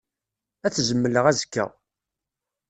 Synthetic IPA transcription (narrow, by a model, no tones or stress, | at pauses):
æθzəmːələʁæzə̥kːæ̰